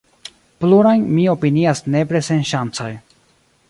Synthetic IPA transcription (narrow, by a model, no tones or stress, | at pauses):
pluɾajnmio̞piniasne̞pɾesenʃant͡soj